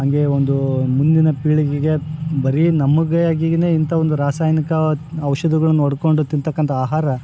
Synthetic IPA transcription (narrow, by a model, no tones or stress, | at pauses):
ɦɐŋɡe̞ond̪umund̪inɐpiːɭiɡeɡe̞bɐɾinɐmːuɡɐjaːɡiɡɐne̞ːint̪ʰɐʋond̪uɾaːsaːjnikɐːʋʂɐd̪iɡɐɭɐnːuɔɽko̞ɳɖut̪int̪ɐkːɐnt̪ʰɐaːɦaːɾɐ